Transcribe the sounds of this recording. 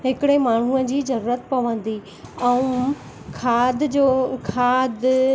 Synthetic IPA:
ɦɪkɪɽemaːɳ̤uəd͡ʑiːzɐɾuːɾət̪pɐʋə̃nd̪i | ɛ̃ũ | kʰaːd̪d͡ʑoːkʰaːd̪

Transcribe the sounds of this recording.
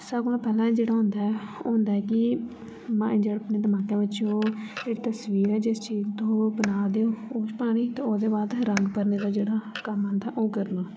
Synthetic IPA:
səkoːl̃pɛːlãːd͡ʒeːɽaːɦʊ̃nd̪aːɛo̰ːɦʊ̃nd̪aːɛːkɪ | mãːɪ̃d͡ʒəɽəpneːd̪əmaːkeːbətːʃjõːd͡ʒeːɽiːt̪əsʋiːɾɛːd͡ʒɪst͡ʃiːzt̪oːbənaːd̪eːoːoʃpaːɽ̃iːt̪ãːoːd̪eːbaːd̪ɾəŋɡpəɾneːd̪aːd͡ʒeːɽaːkəmɦə̃nd̪aɛːʔoːkəɾloː

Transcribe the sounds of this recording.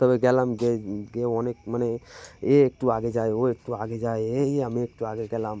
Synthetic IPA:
t̪əbɛɡɛlamɡeɡeɔnek̚maneeːk̚ʈuaɡed͡ʒajoek̚ʈuaɡed͡ʒajeeameːk̚ʈuaɡeɡɛlam

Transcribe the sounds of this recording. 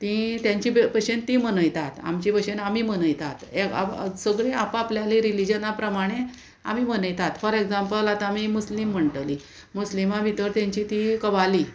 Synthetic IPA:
t̪ĩt̪jãɲt͡ɕibpəɕent̪ĩmənəjt̪at̪a̰mt͡ɕipəɕenamiːmənəjt̪at̪eka̰səɡɭeapapljaliɾilid͡ʑənapɾəmaɽ̃e | a̰mimənəjt̪at̪fəɾeɡd͡zampəlat̪aːmimuslim̤ːəɳʈəli | muslimabʱit̪əɾt̪jãɲt͡ɕit̪ikəʋali

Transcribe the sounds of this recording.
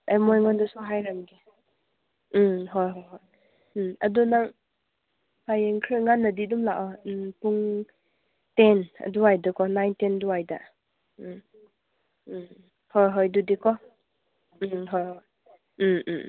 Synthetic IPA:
amɔjŋɔndɔsuɦajɾamɡi | ɦɔjɦɔjɦɔj̩ | ɐdunaŋ | pajeŋkʰɾɯŋanːadidumlaʔɔpuŋ | tɛna̰duajdakɔnajntɛnduajda̰ | hɔjɦɔjdudikʰɔ | ɦɔjɦɔj̩

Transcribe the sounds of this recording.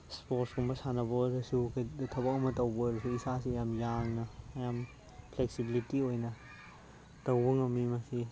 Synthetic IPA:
spoɾsɡumbɐsanɐbodɐsuktʰɐbɐk̚ɐmɐtɐwboɾɐsuisasiɐjamjaŋnɐːjam | pʰleksibilitiojnɐ | tɐwbuŋɐmimɐsi

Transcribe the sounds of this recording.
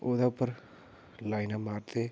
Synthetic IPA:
oːd̪apəɾ | laːɪnamaːɾt̪e

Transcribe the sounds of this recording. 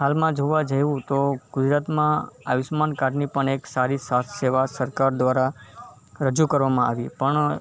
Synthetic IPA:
ɦalmãd͡ʒoʋãd͡ʒajʋũt̪oɡ̥ʊd͡ʒɾat̪mãaʋɪsmankaɾnipəɳeksaɾisat̪ʰseʋasəɾkaɾd̪ʋaɾa | ɾəd͡ʒukəɾʋamãaʋipəɳ

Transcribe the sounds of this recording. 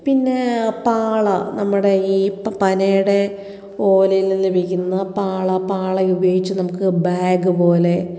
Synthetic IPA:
pinːe̞paːɭɐnɐmːuɽe̞iːpɐnejuɽe̞ | o̞ːlɐjillːebʱikʲːunːɐpaːɭɐpaːɭɐubɐjeɣit͡ɕːɨnɐmukːɨbaːɡɨpo̞ːle̞

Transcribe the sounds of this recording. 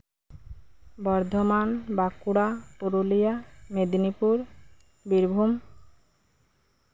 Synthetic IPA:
bɔɾd̪ʱomanbakuɽapoɾolijamed̪nipuɾ | biɾbʱum

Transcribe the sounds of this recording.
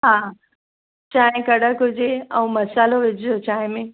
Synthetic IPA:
ɦaː | t͡ɕaːɦɪ̃kɐɽəkɦʊd͡ʑeɛ̃ːmɐsaːloʋɪd͡ʑʱɪd͡ʑot͡ɕaːɦɪ̃mẽ

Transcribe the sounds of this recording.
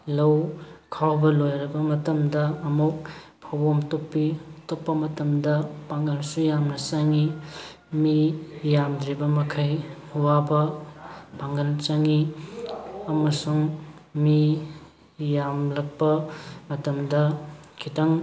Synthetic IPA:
lɐwkʰawbɐlojɾɐbɐmɐtɐmdɐːmuk̚ | pʰawbomtopːitopːɐmɐtɐmdɐpaŋɡɐlsujamnɐt͡ʃɐŋi | mijamdɾibɐmɐkʰɐj | uwabɐ | paŋɡɐlt͡ʃɐŋi | ɐmɐsuŋmi | jamlɐk̚pɐmɐtɐmdɐkʰitɐŋ

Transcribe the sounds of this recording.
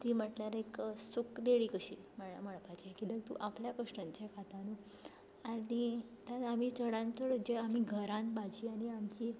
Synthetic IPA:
t̪iːməʈljaɾeksukd̪eɭikəɕḭːməɭaməɭpat͡ɕikiləɡ̚t̪ṵʔapljakəʂʈəɲt͡ɕekat̪anu | aɽi | t̪aam̤iːt͡səɽãnt͡səɽəd͡ʑeam̤iːɡʱəɾãnbad͡ʑiːaɽ̃iamt͡ɕiː

